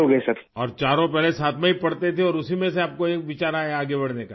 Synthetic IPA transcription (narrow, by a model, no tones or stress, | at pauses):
oɡɐsɐɾɔːɾt͡ʃaːɾõpɛɦlesaːt̪ʰmɛ̃ɦipɐɽt̪et̪ʰeɔːɾʊsimẽseaːp̚koeːkʋɪt͡ʃaːɾaɛaːɡebɐɽ̤nekaː